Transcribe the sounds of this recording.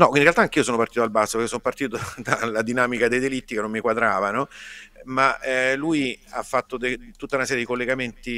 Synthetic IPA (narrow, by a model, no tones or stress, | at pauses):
nɔkirealt̪aːŋk̟iːosoːnopaɾt̪it̪od̪albasːopekesomopaɾrt̪iːt̪od̪alad̪inaːmikad̪ejd̪elit̪ːikenːomːikwad̪ɾaːvanomaɛluja̰fːat̪ːod̪et̪ut̪ːaunasɛːɾjed̪ikolːeɡament̪i